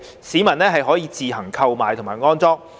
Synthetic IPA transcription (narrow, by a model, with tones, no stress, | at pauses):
siː˨˥mɐ˨˩nlɛː˥ɦɐ˨jɦɔː˨˥jiː˨˧t͡siː˨hɐ˨˩ŋkʰɐ˧wmaː˨jt̪ʰʊ˨ŋmaː˨˩jŋɔː˥nt͡sɔː˥k̚